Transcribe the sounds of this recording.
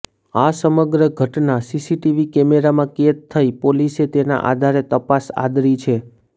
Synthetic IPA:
asəməɡɾəɡʱəʈnasisiʈiʋikɛmeɾamãket̪ʰːəipoliset̪ena̰ʔa̰d̪ʱaɾet̪əpasa̰d̪ɾit͡ʃʰe

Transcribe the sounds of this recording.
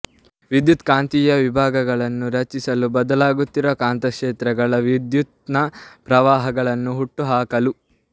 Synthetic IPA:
ʋid̪jut̪kaːnt̪ijɐʋibʱaːɡɐɡɐɭɐnːuɾɐt͡ʃisɐlubɐd̪ɐlaːɡut̪ːiɾɐːkaːnt̪ɐkʂeːt̪ɾɐɡɐɭɐʋid̪jut̪nɐpɾɐʋaːɦɐɡɐɭɐnːuɦuʈːuɦaːkɐlu

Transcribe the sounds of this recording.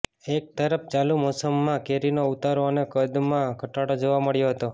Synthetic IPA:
ek̚t̪əɾəf̚t͡ʃalumɔsəmːãkeɾinout̪aɾonekəd̪mãɡʱəʈaɽod͡ʒoʋaməɭjoɦət̪o

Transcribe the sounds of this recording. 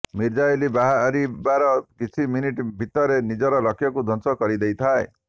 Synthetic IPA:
miɾd͡ʒailibaɦaɾibaɾɔkit͡ʃʰiminiʈbʱit̪ɔɾenid͡ʒɔɾɔlɔkʰjɔkud̪ʱɔnsɔkɔɾid̪ejt̪ʰae

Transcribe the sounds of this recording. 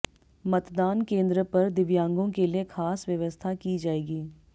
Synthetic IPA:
mɐt̪d̪aːnkẽːnd̪ɾəpɐɾd̪ɪʋjãːŋɡõkeliekʰaːsʋjɐʋəst̪ʰakid͡ʒaːeːɡiː

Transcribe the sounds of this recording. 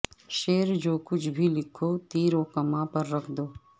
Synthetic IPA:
ʃeːɾd͡ʒoːkʊt͡ʃʰbʱilɪkʰoːt̪iːɾoːkɐmãpɐɾːɐkʰd̪oː

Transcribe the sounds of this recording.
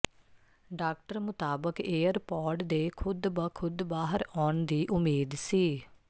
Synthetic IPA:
ɖaːk̚ʈəɾmʊt̪aːbəkeːəɾpɔːɾɖd̪eːkʰʊd̪bəkʰʊd̪baːɦəɾɔːɳd̪iːʔʊmeːd̪siː

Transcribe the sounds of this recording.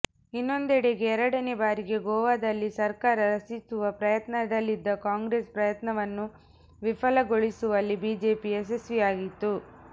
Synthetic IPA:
inːo̞nd̪ɛɽeɡe̞ːɾɐɽɐnebaːɾiɡe̞ɡɔːʋaːd̪ɐlːisɐɾkaːɾɐɾɐsisuʋɐpɾɐjɐt̪nɐd̪ɐlːid̪ːɐkaːŋɡɾeːspɾɐjɐt̪nɐʋɐnːu | ʋifɐlɐɡoɭisuʋɐlːibiːd͡ʒe̞ːpiesesʋijaːɡit̪ːu

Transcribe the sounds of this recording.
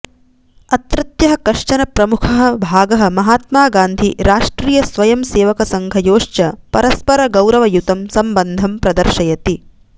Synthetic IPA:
ɐt̪ɾɐt̪jɐɦɐ̆kɐʂt͡ʃɐnɐpɾɐmukʰɐɦɐ̆bʱaːɡɐɦɐ̆mɐɦaːt̪maːɡaːnd̪ʱiɾaːʂʈɾiːjɐsʋɐjɐmseːʋɐkɐsɐŋɡʱɐjoːʂt͡ʃɐpɐɾɐspɐɾɐɡɐwɾɐʋɐjut̪ɐmsɐmbɐnd̪ʱɐmpɾɐd̪ɐɾʃɐjɐt̪i

